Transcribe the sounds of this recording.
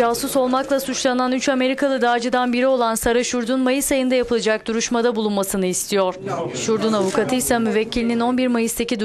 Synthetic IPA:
aːsuso̞lˠmaklˠasut͡ʃlˠananyt͡ʃame̞ɾikʰalˠɯd̪aːd͡ʒɯd̪anbiɾio̞lˠansaɾaʃuɾd̪unmajɯsajɯnd̪ajapʰɯlˠad͡ʒak̚d̪uɾuʃmad̪abulˠunmasɯnɯist̪ʰijoɾ̥ʃuɾd̪unavukʰat̪ʰɯjsamyvɛcʰːilʲinino̞nbiɾmajɯst̪acid̪u

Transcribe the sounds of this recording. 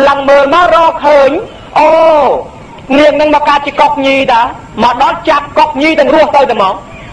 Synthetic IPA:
ləŋməːlmarɑːlkʰəːɲ | ʔoː | niəŋnɨŋmɔːkaːt̪̚t͡ɕiəkok̚ɲiːjɗ̪a | məɗɑlt͡ɕap̚kok̚ɲiːjt̪ɨ̆əŋrʊəht̪əwt̪amɑːŋ

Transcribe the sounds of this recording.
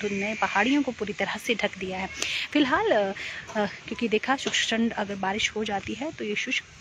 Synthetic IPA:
ʊnnepɐɦaːɽijõkopuːɾit̪ɐɾəseɖʱɐkd̪ijaɦɛːfɪlɦaːl | kjõːkid̪eːkʰaʃʊkʃʈə̃ɳɖɐɡəɾbaːɾɪʃhod͡ʒaːt̪iɦɛt̪ojeʃʊʃ

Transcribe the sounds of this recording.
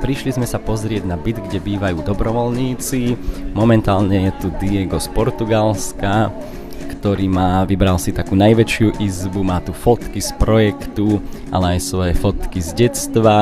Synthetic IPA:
pɾiʃlizmɛsapɔzɾɪɛɟnabid̪ɡɟɛbiːʋajuːd̪ɔbɾɔʋɔlɲiːt͡simɔmɛnt̪aːlɲɛjɛt̪ud̪ijɛɡɔspɔɾt̪uɡalska | kt̪ɔɾiːmaːʋibɾalsit̪akuːnajʋɛt͡ʃɪuʔizbumaːt̪ufɔt̪kispɾɔjɛkt̪uʔa̰lɛajsʋɔjɛfɔt̪kizɟɛt͡st̪ʋa

